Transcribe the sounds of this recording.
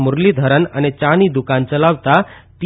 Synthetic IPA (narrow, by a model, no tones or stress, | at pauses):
mʊɾlid̪ʱəɾənə̰net͡ʃanid̪ukant͡səlaʋt̪at̪